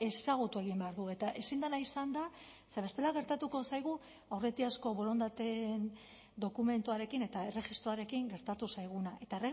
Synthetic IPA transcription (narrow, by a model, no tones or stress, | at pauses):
e̞saɣ̞ut̪ue̞ɣ̞imbe̞aɾðue̞t̪aʔe̞sind̪anaisand̪a | seβe̞st̪e̞laɣ̞e̞ɾt̪at̪uko̞sajɣ̞u | awre̞t̪iasko̞βo̞ɾo̞nd̪at̪en | d̪o̞kume̞nt̪uaɾe̞kine̞t̪aere̞ɣist̪ɾoaɾe̞kiŋɡe̞ɾt̪at̪usajɣunae̞t̪aere